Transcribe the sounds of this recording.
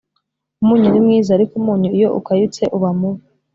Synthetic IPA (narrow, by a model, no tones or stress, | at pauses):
umuːɲuɾimŋiːzaːɾikumuːɲuijoʔṵkajut͡seʔuβamu